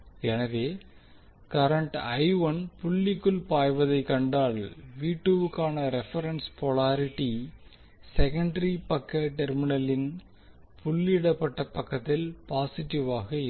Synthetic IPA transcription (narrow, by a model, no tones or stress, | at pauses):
ɛnɐʋeː | kɐɾɐɳʈɐɪʋɐnpʊɭːɪkːɯlpaːjʋɐðɐɪkɐɳɖaːɭʋiːʈːɯʋɯkːaːnɐɾɛfɐɾɐnspɔɭaːɾɪʈːi | sɛkɐɳɖɐɾipɐkːɐʈɛɾmɪnɐlɪn | pʊɭːɪɽɐpːɐʈːɐpːɐkːɐt̪ːɪlpaːsɪʈːɪʋaːɣɐɪ